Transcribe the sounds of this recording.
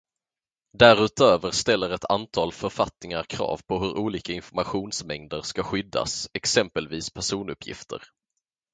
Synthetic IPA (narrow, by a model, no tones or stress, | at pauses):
d̪æɾʉ̟ːt̪øːvəɾʂt̪ɛlːəɾɛt̪ʰant̪ʰɑːlfœɾfat̪nɪŋaɾkʰɾɑ̰ːvpʰɔɦɵɾʔuːliːkaɪnfɔɾmaɧuːnsmɛŋd̪əɾʂkaɧʏd̪ːa̰sɛksɛmpəlviːspʰæʂuːnɵpʰːjɪ̰ft̪ʰə̰ɾ